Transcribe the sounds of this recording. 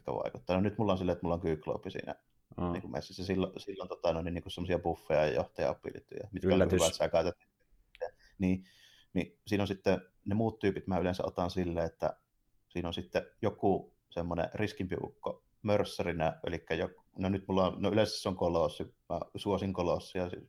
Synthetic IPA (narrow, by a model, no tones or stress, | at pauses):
it̪kæ̰ʋɑ̰ˑḛkut̪ːɑːnonyt̪mulːɑnsilːet̪ːmulːɑoŋkyːklo̰ˑupːˑisḭːnæ̰ | niːŋkummḛsːæsːæsilːosilːont̪ot̪ɑnoˑniniːŋkusemːosiɑpufːejɑjɑjo̰ht̪ɑjɑ̰o̰pːˑḭly̰t̪ːṵjɑ̰mit̪kæʋæt̪siækɑˑet̪et̪ːie | t̪ːˑeæ | niː | nisiːnonsit̪ːe | nemuːt̪t̪yːpit̪mæylensæʔo̰t̪ɑnsilːeet̪ːæ̰ | siːnonsit̪ːɛjokuˑ | semːonḛriskimpiṵkːo | mørsːærinæʔḛlikːæjo | nonyt̪mulːɑnnoylensæsːoŋkolosːɑmæ̰suosiŋkolosːɑjɑsi